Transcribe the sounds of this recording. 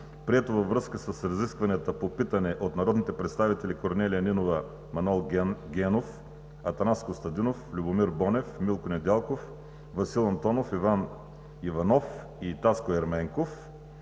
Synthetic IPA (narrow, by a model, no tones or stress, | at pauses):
pɾiɛt̪ovɐvɾɤskəsəsɾɐziskvɐniət̪əpopit̪ɐnɛʔot̪nɐɾɔd̪nit̪ɛpɾɛt̪st̪avit̪ɛlikoɾnɛlijəninovə | mɐnɛlˠɡɡʲɛnof | ɐt̪ɐnaskost̪ɐd̪inoflʲubʊmiɾbɔnɛfmilˠkonɛd̪ɛlˠkof | vɐsilˠɐnt̪ɔnofivan | ivɐnɔf | it̪askoɛɾmɛŋkof